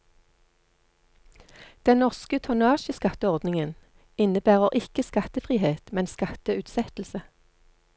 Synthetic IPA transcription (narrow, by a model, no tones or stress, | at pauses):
d̪̥ɛnnɔʁskət̪ʰʊnɑːʃəskɑt̪əɔʁd̪nɪŋən | ɪnəbæːʁəʁʔɪkəskɑt̪əfʁiːheːt̪mɛnskɑt̪əʉːt̪sɛt̪l̩sə